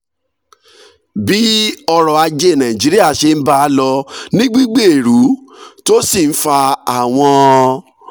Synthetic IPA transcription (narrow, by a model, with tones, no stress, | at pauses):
bi˦ɔ˧ɾɔ˨a˧d͡ʒe˦˨nã˨ĩ˨d͡ʒi˨˦ɾi˦a˦˨ʃe˧n̩˦ba˧˦˧lɔ˧nĩ˦ɡ͡bi˦ɡ͡be˦˨e˨ɾu˨˦to˦si˦˨n̩˦fa˧a˦˨w̃ɔ̃˧